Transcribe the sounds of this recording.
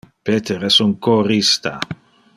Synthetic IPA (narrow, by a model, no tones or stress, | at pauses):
pet̪ʰeɾesunkorist̪a